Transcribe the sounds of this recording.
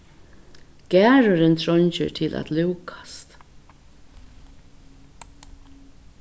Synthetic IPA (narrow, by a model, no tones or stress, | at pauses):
ɡ̥æːɹʊɾɪnt̪ʰɹɔɲt͡ʃɪ̰ɹt̪ʰɪlʔæ̰t̪luwkʰḁst̪